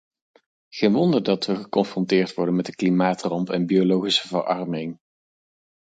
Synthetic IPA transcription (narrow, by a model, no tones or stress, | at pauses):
χejnʋɔndəɹdɑtʋəχəkɔnfrɔntɪːɹtʋɔɹdənmɛtdəklimaːtrɑmpɛnbiolowχisəvə̰rɑrmɪŋ